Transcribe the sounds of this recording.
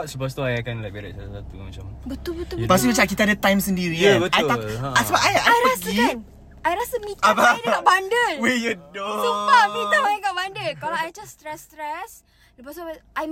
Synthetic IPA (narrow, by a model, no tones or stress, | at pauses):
ʔsupos̬t̪uajakanlaʔbiɾa̰salasat̪umat͡ʃambət̪ulbəupas̬umət͡ʃaʔkit̪aadət̪ajmsəndiɾiətaj̪asəbapajajjɾəasɡi | ajɾasəmit̪apaɡabandəlwejudosipamit̪aajaɡaʔbandəlkalaajd͡ʒast̪ɾɛst̪ɾɛs | ləpasʔaj